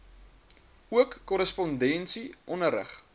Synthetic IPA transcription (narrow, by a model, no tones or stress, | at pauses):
uəkːɔɾəspɔndɛnsiʔɔnəɾə̰χ